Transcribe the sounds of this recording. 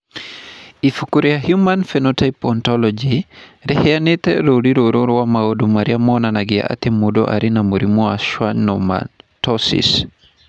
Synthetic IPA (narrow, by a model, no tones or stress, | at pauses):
ifukuɾijahjumanfɛnɔtajpɔntɔlɔd͡ʒiɾɛhɛjanɛtɛɾodiɾɔɾɔɾwamawodumaɾiamɔnanaɡija̰ʔa̰tɛmudɔ̰ʔa̰ɾinamuɾimɔaʃwanɔma̰ntɔsḭs